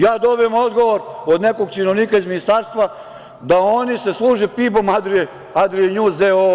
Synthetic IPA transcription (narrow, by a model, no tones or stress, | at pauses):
jaːd̪o̞bijemod̪ɡo̞ʋo̞ɾod̪ne̞ko̞ɡ̚t͡ʃinoʋniːkaizminist̪aːɾst̪ʋa | d̪aonise̞slˠuːʒepibo̞mad̪ɾie | ad̪ɾijenuːzd̪eo